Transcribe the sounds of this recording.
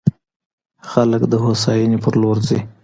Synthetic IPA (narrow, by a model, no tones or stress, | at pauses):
xaləkd̪əɦosɑjinipəɾloɾzi